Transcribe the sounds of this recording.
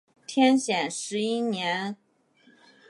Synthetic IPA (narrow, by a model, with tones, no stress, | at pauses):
t̪ʰjɛ˥nɕjɛ˨˩nʂɻ̩˧˥i˥njɛ˧˥n